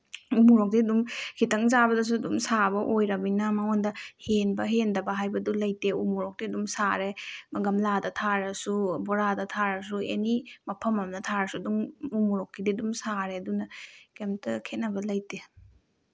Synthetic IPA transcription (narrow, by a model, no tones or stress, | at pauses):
umuɾok̚diɐdumkʰitɐŋzabɐdɐs̬uɐdumsabɐʔojɾɐminamaŋondɐhenbɐɦendɐbɐɦajbɐdulɐjteumuɾok̚diɐdumsaɾemɐɡɐmladɐtʰaɾɐsuboɾadɐtʰaɾɐsuḛnimɐpʰɐmɐmnɐtʰaɾɐsuduŋumuɾok̚ːididumsaɾeɐdunɐkemtɐkʰet̚nɐbɐlɐjte